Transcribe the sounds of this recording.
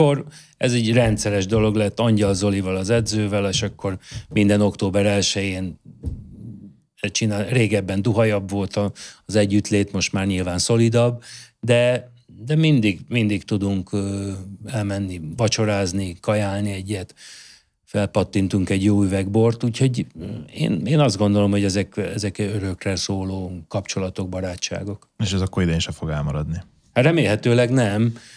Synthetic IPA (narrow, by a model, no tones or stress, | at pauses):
or | ɛzɛɟrɛnt̪sɛɾɛʒd̪o̞lo̞ɡlɛt̪ːɒɲɟɒlzo̞livɒlɒzɛd̪zøːvɛlʃɒkːo̞rmind̪ɛno̞kt̪oːbɛɾɛlʃɛjeːn | ɛt͡ʃinaːreːɡɛbːɛnd̪uɦɒjɒbvo̞lt̪ɒzɛɟːyt̪leːt̪mo̞ʃt̪maːrɲilvaːnso̞lid̪ɒbːd̪ɛ | d̪ɛmind̪iɡmind̪ikt̪ud̪uŋkː | ɛlmɛnːibɒt͡ʃo̞ɾaːznikɒjaːlniɛɟːɛt̪ | fɛlpɒt̪ːint̪uŋkɛɟjoːyvɛɡbo̞rt̪uːcho̞ɟḛːneːnɒzd̪ɡo̞nd̪o̞lo̞mho̞ɟɛzɛkɛzɛkøɾø̞krɛsoːloːkɒpt͡ʃo̞lɒt̪o̞ɡ̚bɒɾaːt͡ʃːa̰ːɡo̞k | eːʃɛzɒkːoɾid̪einʃɛfo̞ɡɛlmɒɾɒd̪ni | hat̪rɛmeːlɦɛt̪øːlɛɡnɛm